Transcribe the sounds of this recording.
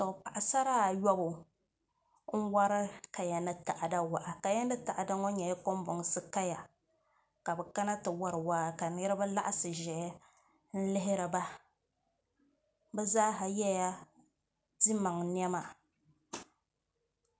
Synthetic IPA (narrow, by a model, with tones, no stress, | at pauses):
tɔ˨pa˨ʔa˨sa˦ɾaː˦˨jɔ˦bʊ˨ | n̩˦wa˦ɾɨ˦ka˨ja˨nɨ˦ta˨ʔa˨da˦wa˨ʔa˨ka˨ja˦n˦ɨ˦ta˨ʔa˨da˦ŋɔ˦ɲɛ˨ja˦ko˦m˦bʊ˨ŋsɨ˦ka˦ja˨ | ka˨bɛ˨ka˦na˦tɨ˨wa˦ɾɨ˨waː˦˨ka˨nɨ˦ɾɨ˦ba˦la̰˦ʔa˦sɨ˨ʒɛ˨˦ | n̩˦lɪ˦ɦɪ˦ɾɨ˨ba˦ | bɛ˦zaː˦ɦa˨jɛ˦ja˦ | di˦ma˨ŋn˦ɛ˦ma˨